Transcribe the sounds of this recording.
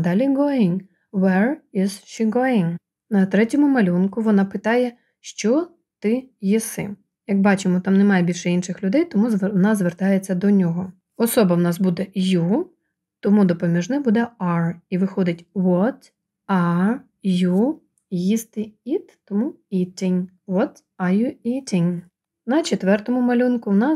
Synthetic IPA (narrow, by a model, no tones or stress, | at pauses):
d̪ɑlʲiɡɔɪŋ | ʋɛrɪz̥ʃiɡɔɪŋ | nɐt̪ɾɛtʲɔmʊmɐlʲunkʊʋɔnɑpɪt̪ɑjɛ | ʃt͡ʃɔ | t̪ɪjisɪ̰ | jɐkbɑt͡ʃɪmɔt̪ɑmnɛmɑjɛbʲilʲʃɛinʃɪxlʲʊd̪ɛjt̪ɔmuznɑzʋert̪ɑjet͡sʲːɐd̪ɔnʲɔɦɔ | ɔsɔbɐwnɑsbud̪ɛju | t̪ɔmud̪ɔpɔmʲiʒnɪbud̪ɛɑriʋɪxɔd̪ɪtʲʋɔt̪ | ɑ | ju | jist̪ɪit̪t̪ɔmuit̪ʲɪnʲ | ʋɔt̪ | ɐjuit̪ʲɪnʲ | nɐt͡ʃet̪ʋɛrt̪ɔmʊmɐlʲunkʊwnɑ